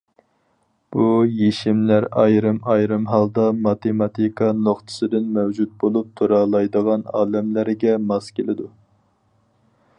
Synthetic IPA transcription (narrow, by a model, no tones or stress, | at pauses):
b̥ujeʃimlæɾɑjɾɨmɑjɾɨmɦɑlˠd̪ɑmɑt̪ʰemɑt̪ʰikʰɑnoχt̪ʰɨ̥sɨd̪ɪnmɛwd͡ʒut̪̚bolˠup̚t̪ʰoɾɑlˠɑjd̪əʁɑnɑ̰ːlɛmlæɾɡʲɛmɑskʲʰelɪd̪u